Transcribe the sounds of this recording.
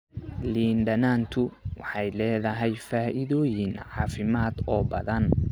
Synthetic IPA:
liːnɖɐnaːnt̪ʰʊwɑ̰ħɑjlɛːðɐɦɛjfaːʔɪðɔːjɪnʕɑːfɪmaːd̪ɔːbɐðɐn

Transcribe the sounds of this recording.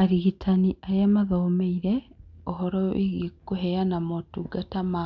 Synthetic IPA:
aɾiɣitʰaniajamaðomeiɾeohoɾoḭɣikuɦejanamotuɡatama

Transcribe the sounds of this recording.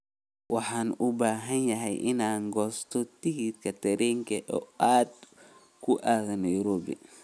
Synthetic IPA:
wɑħaːnʊbaːɦɐnjɐɦɛjʔɪnaːŋɡɔːst̪ʰɔt̪iɡit̪kʰɐt̪ʰɐɾɛŋkʰɐʔɔ̰ːaːd̪ | kʰʊʔaɣɐnɐjʊɾɔbḭ

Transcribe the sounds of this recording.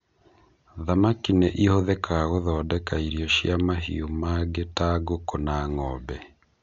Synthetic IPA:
ðamakineʔihoðɛkaɣoðɔːdɛkaiɾjɔʃjamaɦḭomaɡetaɡokonaŋɔbɛ

